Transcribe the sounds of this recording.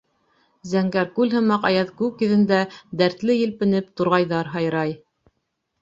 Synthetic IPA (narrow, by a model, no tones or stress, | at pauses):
zæŋɡæɾkʉlhɤ̆mɑqɑjɑðkʉkjɵ̆ðɘ̆nd̪æd̪æɾt̪lɘjɘ̆lpɘ̆nɘpt̪ŭɾʁɑjðɑɾɦɑjɾɑj